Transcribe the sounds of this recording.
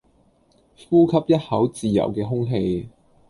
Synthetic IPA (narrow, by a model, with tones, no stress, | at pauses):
fuː˥kʰɐ˥p̚jɐ˥t̚hɐ˨˥wt͡siː˨jɐ̰˨˩wkɛː˧ɦʊ˥ŋɦe˧j